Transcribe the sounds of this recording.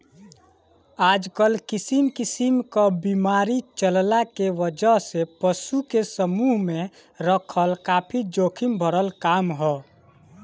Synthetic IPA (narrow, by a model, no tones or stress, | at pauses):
aːd͡ʒkəlkɪsimkɪsimkabiːmaːɾit͡ʃəllakeʋəd͡ʒəɦsepəʃukesəmuːɦmẽ | ɾəkʰəlkaːpʰid͡ʒoːkʰɪmbʱəɾəlkaːmɦɛː